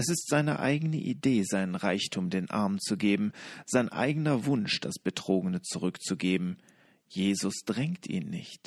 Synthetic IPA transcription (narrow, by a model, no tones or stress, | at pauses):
ʔɛsɪstz̥aɪnə̰ʔa̰ɪɡənə̰ʔideːzaɪnənʁaɪçtʰuːmdeːnʔa̰ɐmt͡suɡeːbm̩z̥aɪnʔa̰ɪɡənɐvʊnʃd̥a̰sb̥ətʁ̥oːɡənət͡suʁ̞ʏkt͡suɡeːbm̩ | jeːzʊsd̥ʁɛŋktʰḭːnːɪ̰çt